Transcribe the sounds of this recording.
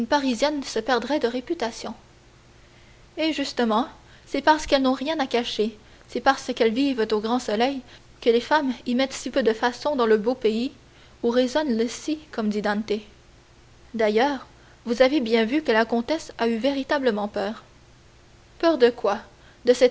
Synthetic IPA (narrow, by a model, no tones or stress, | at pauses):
ynpaʁizjɛnsəpɛʁd̪ʁɛd̪əʁepyt̪asjɔ̃ | eʒyst̪əmɑ̃ | sɛpaʁsə̥kɛlnɔ̃ʁjɛ̃nakaʃe | sɛpaʁsəkɛlvivt̪oɡʁɑ̃sɔlɛj | kəlefamimɛt̪sipød̪əfasɔ̃d̪ɑ̃ləbopei | uʁezɔnləsikʰɔmd̪id̪ɑ̃nt̪e | d̪ajœːʁ | vuzavebjɛ̃vykəlakɔ̃t̪ɛsayveʁit̪abləmɑ̃pœːʁ | pœʁd̪əkwa | d̪əsɛt̪